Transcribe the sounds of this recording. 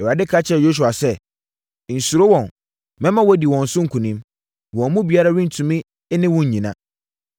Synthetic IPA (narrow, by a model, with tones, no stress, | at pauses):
ɛ˨a˨dɪ˦kʰa˦t͡ɕʰɛ˦˨jo˦s̬u˨a˨sɛ˦ | n̩˨su˨ɾo˦wɔ̃˨n | mɛ̃˦mã˦wɔ˦di˨wɔ̃˨n̩˨sʊ̃˦ŋ̩˨kʰũ˨nĩ˦m | wɔ̃˨mũ˦bi˨a˦ɾa˦ɾɪ̃˦n̩˨tʰũ˨mĩ˦ | nɪ̃˦wʊ̃˦ɲ˨ɲĩ˨nã̰˨